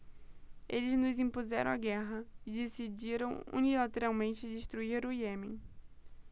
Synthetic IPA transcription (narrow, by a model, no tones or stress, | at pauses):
elɪznʊzĩpuzɛɾɐ̰̃w̃aɡɛɦɐɪd̪esid͡ʒiɾɐ̃w̃ṵnilat̪eɾawmẽnt͡ʃɪdɪʃt̪ɾuiɾujemẽ